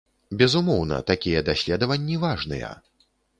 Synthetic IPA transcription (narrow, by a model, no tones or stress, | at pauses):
bʲɛzumɔwnɐ̰t̪akʲijɛd̪asʲlʲɛd̪ɐvɐnʲːivaʐnɨ̰jɛ̰